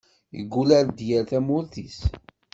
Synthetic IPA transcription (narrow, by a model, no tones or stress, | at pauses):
jə̰ɡːulæɾd̪jæɾθæmʊɾθis